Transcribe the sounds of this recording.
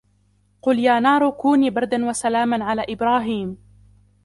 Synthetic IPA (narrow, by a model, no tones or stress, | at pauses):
qʊljaːnɑːɾˤʊkuːniːbɑɾˤd̪anwasalaːmanʕalaːʔɪbɾɑːɦiːm